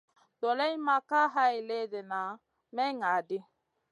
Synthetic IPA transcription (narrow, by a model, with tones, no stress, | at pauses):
dɔ˨lɛ˦jma˨ka˦ɦa˦i˨le˦dɛ˨na˨ | mɛ˦ŋa˨dɪ˦